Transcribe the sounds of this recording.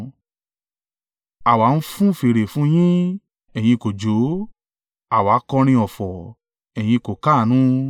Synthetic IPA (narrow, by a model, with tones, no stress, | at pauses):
a˨wa˨˦n̩˦fũ˦˨fe˨ɾe˨fũ˦j̃ĩ˦ | ɛ˨j̃ĩ˧ko˨d͡ʒo˨˦ | a˨wa˨˦kɔ˧ɾ̃ĩ˧ɔ˨fɔ˨ | ɛ˨j̃ĩ˧ko˨ka˦˨nũ˦